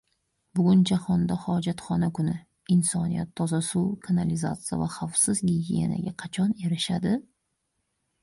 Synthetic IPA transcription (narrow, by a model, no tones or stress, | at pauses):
bʊɡʲʊnd͡ʒahɒnd̪ahɒd͡ʒat̪χɒnakʊnɪ | ɪnsɒnija̰t̪ʰːɒzasuwkʰanalɪza̰t̪sɨja̰vaχɑfsɪzɡʲiɡʲijḛna̰ɡʲaqʰɑt͡ʃʰɒne̞ɾɪʃad̪ɪ